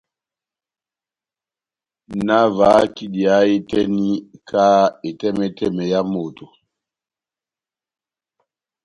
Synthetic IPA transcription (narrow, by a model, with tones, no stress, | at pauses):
na˦va˨˦ki˦di˨a˨˦i˦tɛ˦ni˦kʰa˦e˨tɛ˦mɛ˦tʰɛ˦˨mɛ˨ja˦mo˨tʰo˨